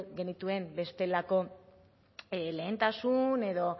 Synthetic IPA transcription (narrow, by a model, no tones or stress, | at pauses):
ɡe̞nit̪ue̞mbe̞st̪e̞lako̞ | le̞ːnt̪asune̞ðo̞